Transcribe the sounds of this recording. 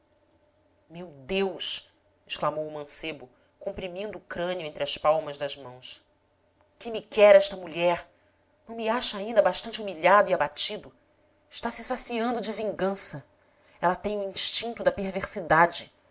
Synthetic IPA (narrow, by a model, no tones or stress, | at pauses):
mewd̪ewʃ | ɪʃklamowumɐ̃sebʊ | kõmpɾimĩnd̪ʊːkɾɐ̃nʊẽnt̪ɾɪɐspawmɐzd̪ɐzmɐ̃w̃s | kɪmikɛɾɛʃt̪ɐmuʎɛɾ | nɐ̃w̃miaʃɐaĩnd̪ɐbaʃt̪ɐ̃nt͡ʃɪumiʎad̪ʊiabat͡ʃid̪ʊ | ɪʃt̪asɪsasiɐ̃nd̪ʊd͡ʒɪvĩŋɡɐ̃sɐ | ɛlɐt̪ẽj̃ʊĩʃt͡ʃĩnt̪ʊd̪ɐpeɾveɾsid̪ad͡ʒɪ